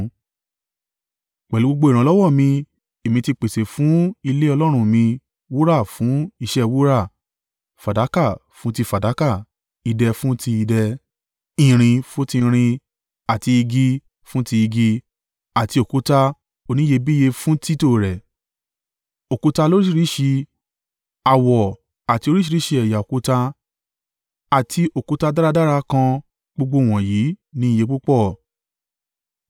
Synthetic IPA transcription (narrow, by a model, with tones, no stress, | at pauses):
k͡pɛ˨lu˨˦o˧ɡ͡bo˧i˨ɾã˨˧˦lɔ˦wɔ˦˨mĩ˧ | e˨mĩ˧ti˧k͡pe˨se˨fũ˨˦i˧le˦ɔ˧lɔ˦ɾ̃ũ˧mĩ˧ | wu˦ɾa˦˨fũ˨˦i˦˧ʃɛ˦wu˦ɾa˦˨ | fa˨da˨˦ka˦˨fũ˨˦ti˧fa˨da˨˦ka˦˨ | i˧dɛ˧fũ˦ti˧i˧dɛ˧ | ĩ˨ɾ̃ĩ˧fo˦ti˧ɾ̃ĩ˧ | a˨ti˧i˧ɡi˧ | fũ˦ti˧i˧ɡi˧ | a˨ti˧˦o˨ku˨˦ta˦ | o˧nĩ˨˦je˧bi˦je˧fũ˦ti˦to˦˨ɾɛ˨ | o˨ku˨˦ta˧lo˦ɾi˦ʃi˦˧ɾi˨˦ʃi˧ | a˨wɔ˨ | a˨ti˧˦o˧˦ɾi˦ʃi˦˧ɾi˦ʃi˧ɛ˨ja˨o˨ku˦ta˧ | a˨tʰi˧o˨ku˨˦ta˧da˦ɾa˧da˦ɾa˧kã˧ | ɡ͡bo˧ɡ͡bo˧˦˨w̃ɔ̃˨ji˨˦nĩ˨˦i˦˨je˨˧˦k͡pu˦k͡pɔ˦˨